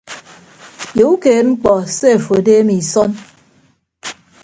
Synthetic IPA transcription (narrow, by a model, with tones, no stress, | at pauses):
jo˨u˦keː˨ŋ͡m̩˦k͡pɔ˨se˦˨fo˨deː˦mi˨sɔ˦n